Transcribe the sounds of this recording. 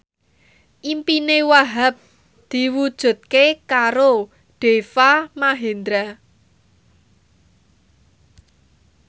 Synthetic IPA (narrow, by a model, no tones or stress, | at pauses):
ʔimpinewaɦap̚ | d̪̥i̤wud̥ʒ̥ṳt̪̚kekaɾo | ɖ̥efamaɦend̪ɾa